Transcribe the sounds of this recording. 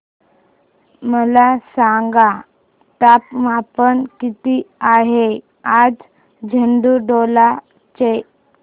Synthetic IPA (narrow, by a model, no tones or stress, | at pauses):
məlasãŋɡa | ʈapmapənkit̪iaɦe | ad͡z | d͡ʑʱəɳɖuɖola | t͡ɕe